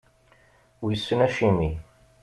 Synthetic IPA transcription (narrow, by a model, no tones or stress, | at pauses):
wjəsːənæʃimi